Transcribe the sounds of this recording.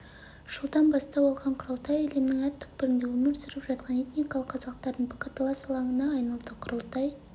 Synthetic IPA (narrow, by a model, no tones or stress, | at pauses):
ʒ̥əlˠd̪ɑnbɑst̪ɑwolˠʁɑɴqʰʊɾəlˠt̪ɑjelemnɪŋæɾt̪ʰʏ̥k̚bɪɾɪnd̪ewɵmɪɾsɪɾɪpʒɑt̪̚qʰɑne̞t̪nikɑlˠəqʰːɑzɑqt̪ɑɾd̪əɴpʰɪ̥kʲɪɾt̪ʰlˠɑsɑlˠɑŋənɑːjnɑlˠd̪əqʰʊɾəlˠt̪ɑj